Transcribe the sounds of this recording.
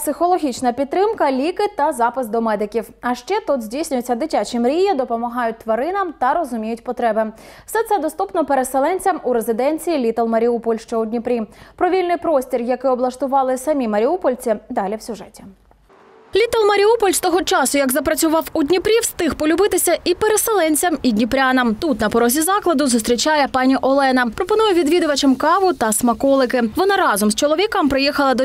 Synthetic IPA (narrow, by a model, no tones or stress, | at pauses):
psɪxɔlˠɔɦʲit͡ʃnɐpʲid̪t̪ːɾɪmkɐlʲikɪt̪ɐzɑpɪsd̪ɔmɛd̪ɪkʲiwɐʃt͡ʃɛt̪ud̪zʲdʲijsʲnʲʊjet͡sʲːɐd̪ɪtʲat͡ʃɪmɾʲijɐd̪ɔpɔmɐɦɑjʊt̚ʲt̪ʋɐɾɪnɐmt̪ɐɾɔzʊmʲijʊtʲpɔt̪ɾɛbɪ | wsɛt̪sɛd̪ɔst̪upnɔpeɾeselˠɛnʲt͡sʲɐmuɾezɪd̪ɛnʲt͡sʲijilʲit̪ɔlˠmɐɾʲiupɔlʲʃt͡ʃɔʊdʲnʲipɾʲipɾɔʋʲilʲnɪjpɾɔsʲtʲirjɐkɪɔblˠɐʃt̪ʊʋɑlˠɪsɐmʲimɐɾʲiupɔlʲt͡sʲid̪ɑlʲiwsʲʊʒɛtʲi̥ | lʲit̪ɐlˠmɐɾʲiupɔlʲst̪ɔɦɔt͡ʃɑsʊjɐɡzɐpɾɐt͡sʲʊʋɑwʊdʲnʲipɾʲiwst̪ɪxpɔlʲʊbɪt̪ɪsʲɐʔipeɾeselˠɛnʲt͡sʲɐmidʲnʲipɾʲanɐmt̪ut̪nɐpɔɾɔzʲizɑklˠɐd̪ʊzʊst̪ɾʲit͡ʃɑjɛpɑnʲiʔɔlˠɛnɐpɾɔpɔnujɛʋʲid̪ʋʲid̪ʊʋɐt͡ʃemkɑʋʊt̪ɐsmɐkɔlˠɪkɪʋɔnɑɾɑzɔmst͡ʃɔlˠɔʋʲikɐmpɾɪjixɐlˠɐd̪ɔ